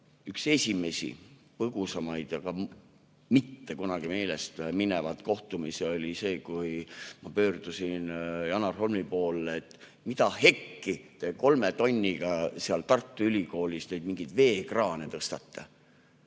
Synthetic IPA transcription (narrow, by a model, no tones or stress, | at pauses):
ykse̞sʲime̞sḭ | pɤɡ̥usɑmɑjd̪̥jɑɡ̥ɑ | mit̪ːe̞kunɑɡ̥ime̞ːle̞st̪minevɑt̪ko̞ht̪umiseo̞lʲise̞ːkujmɑpø̞ːrd̪usinjɑnɑrho̞lmipo̞ːlːeːt̪ːˑ | mit̪ɑhe̞kːit̪e̞ko̞lme̞t̪o̞nʲːiɡ̥ɑseɑlt̪ɑrt̪ːˑuylʲiko̞ːlisnejd̪̥̚miŋɡid̪̥ve̞ːkrɑːne̞t̪ɤst̪ɑt̪ːɑ